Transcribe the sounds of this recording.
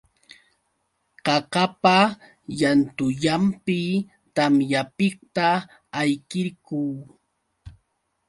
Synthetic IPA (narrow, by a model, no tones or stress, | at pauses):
qɑqapa | jant̪ʊʎampɪ | t̪amjapɪkt̪aː | jkɪɾkuː